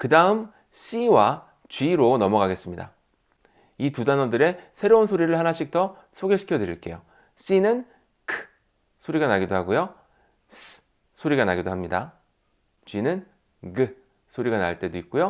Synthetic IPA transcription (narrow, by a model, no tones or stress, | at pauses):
kɯdaɯm | ɕ͈iwa | t͡ɕɥiɾonʌmʌɡaɡe̞s͈ɯmɲida̰ | itudanʌdɯɾe̞sʰe̞ɾounsʰoɾiɾɯɭhanaɕʰik̚tʰʌ | sʰoɡeɕʰi̥kʰjʌdɯɾḭɭk͈e̞̰jo | ɕ͈inɯn | kʰɯ̥ | sʰoɾiɡanaɡidoɦaɡojo | s | sʰoɾiɡanaɡidoɦamɲida | t͡ɕɥinɯn | ɡɯ | sʰoɾiɡana̰ɭt͈e̞doik̚k͈ojo